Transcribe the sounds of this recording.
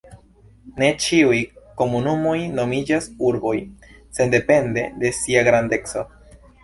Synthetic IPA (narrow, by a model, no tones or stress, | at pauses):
ne̞t͡ʃiujko̞munumo̞jno̞mid͡ʒasuɾbo̞j | se̞nde̞pe̞nde̞̰de̞siaɡɾande̞kso̞